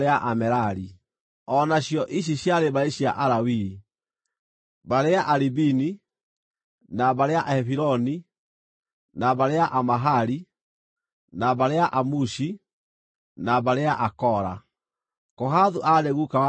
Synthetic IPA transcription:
eaʔamɛɾaɾi | ɔnaɕjɔʔiɕ̬iɕjaɾeβaeɕjaʔaɾawi | baɾeaʔaɾibini | naβaɾeaʔɛfiɾɔni | naβaɾeaʔamaɦaɾi | naβaɾeaʔamuʃi | naβaɾeaʔakɔɾa | kɔɦaðuʔaneɣukaw

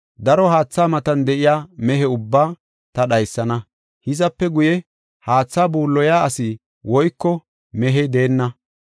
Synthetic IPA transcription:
d̪ɐɾɔɦaːt͡sːaːmɐt̪ɐnd̪ɛʔɪjaːmɛɦɛʊbːaː | t̪ɐɗɐjsːɐnɐ | hɪzɐpːɛɡʊjɛ | haːt͡sːaːbuːlːɔjaːɐsɪ | wɔjkːɔ | mɛɦɛd̪e̞ːnːɐ

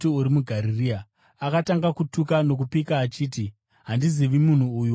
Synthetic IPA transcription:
tiuɾimuɡʱaɾiria | akataŋɡakutukano̞k̬upikaːt͡ʃiːti | ɦandiziʋimun̤uːju

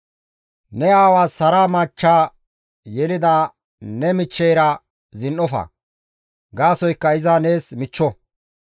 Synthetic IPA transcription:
nɛaːwaːsːɐɾaːmaːt͡ʃːaː | jɛlɪd̪aː | nɛmɪt͡ʃːɛjɾɐ | zɪnʔɔfɐ̰ | ɡaːsɔjkːɐɪzaːne̞ːsmɪt͡ʃːɔ

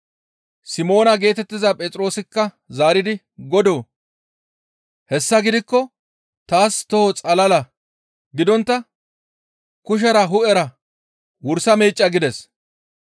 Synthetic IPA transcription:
sɪmo̞ːnɐɡe̞ːt̪ɛt̪ːɪzɐpʼɛt͡s̪ʼɾo̞ːsɪkːɐ | zaːɾɪd̪ɪ | ɡɔd̪o̞ː | hɛsːɐɡɪd̪ɪkːɔ | t̪aːst̪ɔhɔt͡sʼɐlɐlɐ | ɡɪd̪ɔnt̪ːɐ | kʊʃ̬ɐɾɐɦʊɛɾɐ | wʊɾsɐmeːt͡ʃʼːɐɡɪd̪ɛs

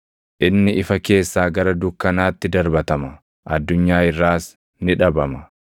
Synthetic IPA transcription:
ʔɪnːɪʔɪfɐke̞ːsːaːɡɐɾɐd̪ʊkːɐnaːt̪ːɪd̪ɐɾbɐt̪ɐmɐ | ʔɐd̪ːʊɲːaːɪrːaːs | nɪᶑɐbɐmɐ

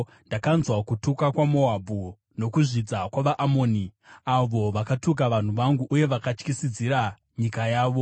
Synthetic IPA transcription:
ndakanzwakutukakwamo̞abʱu | no̞kuʐid͡zakwaʋaʔamoːni | aʋo̞ʋakatuk̬aʋan̤uʋaŋɡuʔːje̞ʋakat͡ʃkisid͡ziɾa | ɲikajaːʋo̞

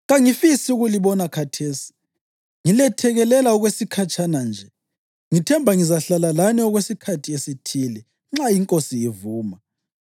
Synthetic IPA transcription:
ɣaŋifisiuɣuliβɔnakʰatʰeːsi̥ | ŋilɛtʰɛɣɛlɛlaɔɣwesikʰat͡ʃʰʼanand͡ʒʱɛ | ŋitʰɛmbʱaŋizaɬalalanɛɔɣwesikʰatʰiesitʰiːlɛ | ŋ͡ǁaiŋkʼosiivuːma

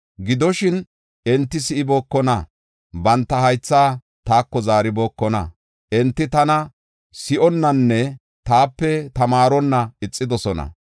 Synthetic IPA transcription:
ɡɪd̪ɔʃɪn | ɛnt̪ːɪsɪʔɪboːkːɔnɐ | bɐnt̪ːɐhɐjt͡sːaː | t̪aːkːɔzaːɾɪboːkːɔnɐ̰ | ʔɛnt̪ːɪt̪ɐnɐ | sɪʔɔnːɐnːɛ | t̪aːpːɛt̪ɐmaːɾɔnːɐɪt͡sʼːɪd̪ɔsɔnɐ̰

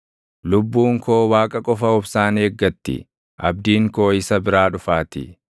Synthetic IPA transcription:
lʊbːuːŋko̞ːwaːkʼɐkʼɔfɐʊbsaːneːɡːɐt̪ːɪ̰ | ʔɐb̚d̪iːŋko̞ːɪsɐbɪɾaːᶑʊfaːt̪ɪ̰

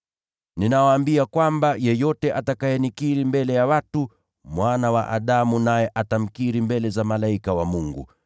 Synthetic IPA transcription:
ninawaːmbiakwambajɛjɔtɛʔatakajɛnikiɾimbɛlɛjawatu | mwanawaʔa̰ɗamunajɛʔatam̩kiɾimbɛlɛzamalaikawamuŋɡṵ

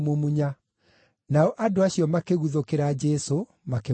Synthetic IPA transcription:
momuɲa | naɔʔadoaɕijɔmakeɣuðokeɾad͡ʒɛso | make

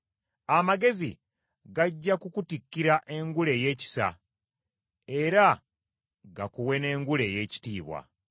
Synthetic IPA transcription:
amaɡe̞zḭ | ɡaɟːakukutikːiɾaʔe̞ŋɡule̞je̞ːci̥sa̰ | e̞ɾa | ɡakuwe̞ne̞ːŋɡule̞ːje̞ːci̥tiːβwa̰

